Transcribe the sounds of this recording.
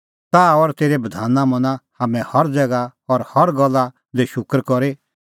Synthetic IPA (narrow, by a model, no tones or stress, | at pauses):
t̪aːɔɾt̪eːɾebɐd̪ʱaːnãmɐ̃nãhaːmɛ̃hɔɾd͡zɛɡaɔɾhɔɾɡɔlːa | d͡zeʃʊkɾkɔɾe